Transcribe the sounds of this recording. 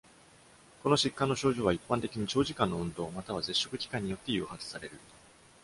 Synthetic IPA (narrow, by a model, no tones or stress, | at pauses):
ko̞no̞ɕikːãnːo̞ɕo̞ːʑo̞ːβaipːãnt̪e̞kʲiɲ̟it͡ɕo̞ːʑikãnːo̞ɯ̟̃nd̪o̞ːmat̪aβ̞aze̞ɕːo̞kɯ̟kʲi̥kãɲ̟ːijo̞t̪ːe̞jɯ̟̰ːhat͡sɨ̥saɾe̞ɾɯ̟